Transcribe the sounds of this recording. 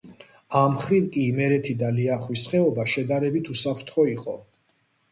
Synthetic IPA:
amχɾivkʼiːmɛɾɛt̪ʰid̪aliaχwisχɛɔbaʃɛd̪aɾɛbit̪ʰusapʰɾt̪ʰχɔiqʼɔ̰

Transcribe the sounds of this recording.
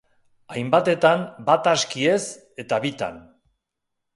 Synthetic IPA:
ajmbat̪e̞t̪anbat̪askie̞s | e̞t̪aβit̪a̰n

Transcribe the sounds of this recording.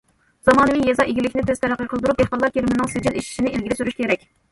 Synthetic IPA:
z̥ɑmɑːnɨwijɛzɑʔeɡʲilɪkʲnɪt̪ʰezt̪ʰæɾæqːəqʰəlˠd̪uɾup̚ehqɑlˠːɑɾkʲeɾmɪnɪŋsed͡ʒileʃi̥ʃinɪelɡʲilɪsyɾyʃkʲeɾɛkʲ

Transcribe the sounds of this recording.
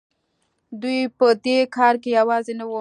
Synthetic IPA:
d̪ujpəd̪ekɑɾkejawɑzenawu

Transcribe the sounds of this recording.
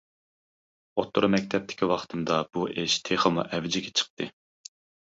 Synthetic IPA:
ot̪ʰːoɾmɛk̚ʲt̪ʰɛp̚t̪ʰɪ̥kʲiwɑχt̪ʰɨmd̪ɑb̥uʔeʃt̪ʰeχəmṵʔɛvd͡ʒɪɡʲɛt͡ʃʰə̥q̚t̪ʰɨ

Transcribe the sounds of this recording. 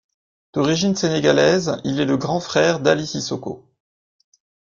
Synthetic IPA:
d̪̥ɔʁiʒinseneɡʲalɛzilɛləɡʁɑ̃fχɛʁd̪alisisɔko̰

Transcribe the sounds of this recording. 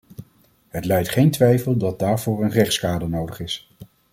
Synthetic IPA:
ɦətlɛjtχejntʋɛjfəlˠdɑt̚daːɹv̥ʊːɹənrɛχtskaːdənowdəχɪs

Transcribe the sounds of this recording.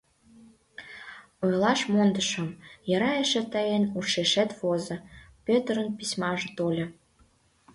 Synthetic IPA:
ojlɑʃmond̪əʃə̆mjəɾɑeʃĕt̪ɑjenuʃeʃet̪βozɤ̆pøt̪əɾə̆npisʲmɑʒĕt̪olʲɤ̆

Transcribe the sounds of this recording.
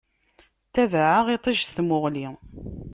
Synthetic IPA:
t̪ævʕaʁit̪ˤiʒsθmʊʁli

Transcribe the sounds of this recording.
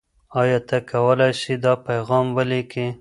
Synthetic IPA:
ɑjɑt̪akawəlajʃid̪ɑpajɣɑmwəleki

